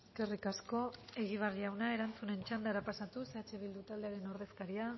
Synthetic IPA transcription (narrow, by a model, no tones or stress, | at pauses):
eske̞rikasko̞e̞ɣ̞iβ̞arʎawnae̞ɾant͡sune̞nt͡ʃand̪aɾapasat̪use̞at͡ʃe̞βild̪ut̪ald̪e̞aɾe̞no̞ɾðe̞skaɾia